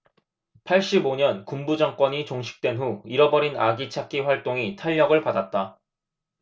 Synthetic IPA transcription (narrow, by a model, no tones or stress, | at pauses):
pʰaɭɕ͈iboɲʌnkumbud͡ʑaŋk͈wʌɲit͡ɕoŋɕʰi̥k̚t͈we̞nɸuiɾʌbʌɾinaɡit͡ɕʰak͈iɸwaɭt͈oŋitʰaʎːʌɡɯɭpadat̚t͈a